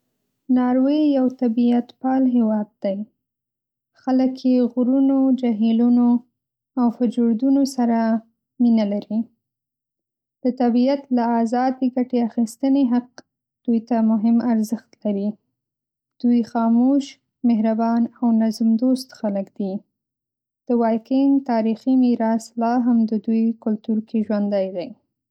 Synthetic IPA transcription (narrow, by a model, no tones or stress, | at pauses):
nɑɾwejawt̪abiat̪pɑlɦɪwɑd̪̚d̪̥aj | xaləkjeɣɾunod͡ʒaɦiluno | awfʊd͡ʒoɾd̪unosaɾa | minalaɾi | d̪̥ət̪abiat̪laazɑd̪eɡaʈeaxist̪əneɦaq̚ | d̪̥ujt̪amʊɦɪmaɾzəxt̪laɾi | d̪̥ujxɑmoʃ | meɦɾabɑnawnazmd̪ost̪xaləkd̪̥i | d̪̥əwɑkɪŋɡt̪ɑɾiximiɾɑslɑɦamd̪əd̪ujkʊlt̪uɾkeʒwand̪ajd̪aj